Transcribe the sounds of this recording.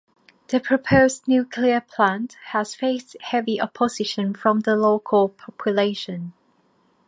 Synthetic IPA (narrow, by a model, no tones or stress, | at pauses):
ðəpʰɹ̥əpʰoʊznjʉːkʰliəpʰl̥ãnthəz̥feɪsthɛviʔəpʰəz̥ɪʃə̃nfɹə̃mðəloʊkʰəlˠpʰɑpʰjəleɪʃə̃n